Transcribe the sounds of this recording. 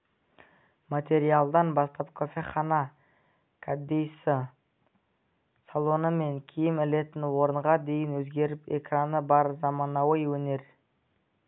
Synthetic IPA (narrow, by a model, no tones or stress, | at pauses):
mat̪ʲe̞ɾijalˠd̪ɑnbɑst̪ɑpkʰo̞fʲe̞χɑnɑ | kʰad̪ːejsə | salˠo̞nəme̞ŋkʲʰijɪmɪle̞t̪ɪnwo̞ɾəɴʁɑd̪e̞jɪnwɵzɡʲe̞ɾɪpe̞kranəbɑɾzɑmɑnɑwɑjwɵne̞ɾ